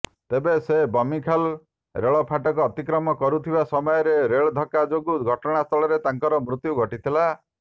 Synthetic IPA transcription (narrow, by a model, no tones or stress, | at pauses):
t̪ebesebɔmikʰal | ɾeɭɔpʰaʈɔkɔːt̪ikɾɔmɔkɔɾut̪ʰibasɔmɔjɔɾeɾeɭɔd̪ʱɔkad͡ʒoɡuɡʱɔʈɔɽ̃ast̪ʰɔɭɔɾet̪aŋkɔɾɔmɾut̪juɡʱɔʈit̪ʰila